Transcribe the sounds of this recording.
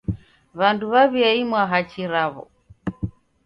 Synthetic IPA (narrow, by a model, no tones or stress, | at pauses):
βanduβaβiaimwaɦat͡ʃiɾaβɔ̰